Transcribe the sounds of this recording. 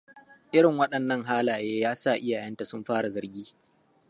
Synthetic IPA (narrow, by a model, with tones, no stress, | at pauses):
ʔɪ˦ɽɪ˨ŋwɐ˦ɗɐ˨nːɐ˦ŋɦaː˦laː˨jeː˦jaː˦sa˦˨ʔɪ˦jaː˨jɐ˦nta˨sʊ˦mɸaː˦ɽa˨zɐ˨rɡʲiː˦